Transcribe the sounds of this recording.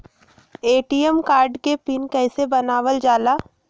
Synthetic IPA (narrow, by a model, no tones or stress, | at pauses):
eːʈiːjəmkaːɾɖkepɪnkɛːsebɐnaːʋəld͡ʒaːlaː